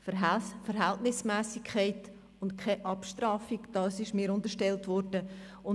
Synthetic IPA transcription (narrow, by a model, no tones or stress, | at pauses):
fəfəɾɦɛltnɪsmæːsikʰːɛɪt | ʊntkʰɛʔɑpʃtɾɑːfiɡd̥ɑːsɪʃmiːɾʊntəɾʃtɛltʋɔɾd̥ə | ʊn